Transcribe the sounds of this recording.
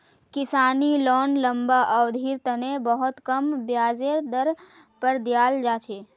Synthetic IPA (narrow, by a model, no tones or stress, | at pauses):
kɪsaːnilɔːnlɐ̃mbaʔɐʋd̪ʱiːɾt̪ɐnebɐɦʊt̪kɐmbjaːzeɾd̪ɐɾ | pəɾd̪jaːld͡ʒaːt͡ʃeː